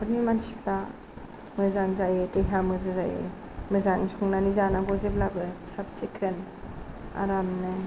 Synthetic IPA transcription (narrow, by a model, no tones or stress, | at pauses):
bɯnimansʰipʰa | mɯzaŋzajetejɦamɯzɯzajḛ | mɯzaŋsʰɔŋnanizanaɡɔzeplabɯt͡ʃʰap̚t͡ʃikʰɯn | a̰ɾamnɯ